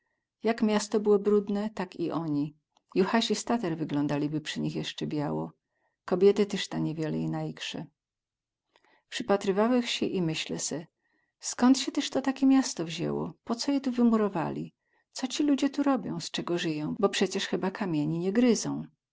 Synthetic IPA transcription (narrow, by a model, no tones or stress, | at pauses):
jakmʲjast̪ɔbɘwɔbɾud̪nɛt̪akiʔɔɲi | juxaɕist̪at̪ɛɾvɘɡlɔnd̪alʲibɘpʂɘɲixjɛʂt͡ʂɛbʲjawɔ̰ | kɔbʲjɛt̪ɘt̪ɛʂt̪aɲɛvʲjɛlɛ̰inajikʂɛ̰ | pʂɘpat̪ɾɘvawɛxɕɛʔimɘɕlɛ̰sɛ | skɔnt̪ɕɛt̪ɛʂt̪ɔt̪akʲemʲjast̪ɔvʑɛ̰wɔ̰pɔt̪sɔjɛt̪uvɘmuɾɔva̰lʲḭ | t̪sɔt͡ɕilud͡ʑɛt̪uɾɔbʲjɔ̰̃w̃st͡ʂɛɡɔʐɘjɔ̃w̃bɔpʂɛt͡ɕɛʂxɘbakʰamʲjeɲiɲɛɡɾɘzɔ̃w̃